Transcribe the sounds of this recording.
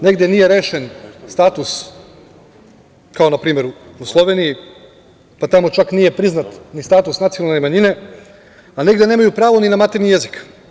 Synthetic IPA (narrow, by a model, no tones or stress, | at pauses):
ne̞ɡd̪enije̞ɾe̞ːʃe̞nst̪aːt̪us | kao̞napɾiːme̞ɾuuslˠo̞ʋe̞niji | pat̪amo̞t͡ʃaknije̞pɾiznat̪nist̪aːt̪usnat̪sionalnemaɲine̞ | aneɡd̪e̞neːmajupɾaːʋo̞ninamat̪eɾnije̞zik